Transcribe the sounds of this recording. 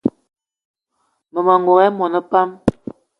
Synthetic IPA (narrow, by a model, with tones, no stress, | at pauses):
mə˨mə˨ŋo˨ɛ˦mɔ˨nə˦pa˦m